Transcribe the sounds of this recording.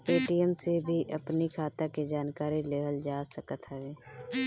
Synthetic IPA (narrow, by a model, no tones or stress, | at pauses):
peːʈiəmsebʱiʔɐpnikʰaːt̪aked͡ʒaːnkaːɾileːɦəld͡ʒaːsəkət̪ɦɛeː